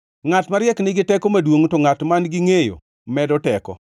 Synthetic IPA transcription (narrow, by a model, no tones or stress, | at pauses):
ŋatmaɾjɛknɪɡɪtɛkomadwoŋtoŋatmanɡɪŋejo̰ | mɛdɔtɛkɔ̰